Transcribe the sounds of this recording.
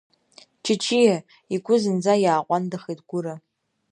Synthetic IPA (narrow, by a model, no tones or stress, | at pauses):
t͡ʃʰɪt͡ʃʰijɛ | iɡʷʊzɨnd͡zajaːqʷʼɑndɐχejtɡ̥ʷʊɾɐ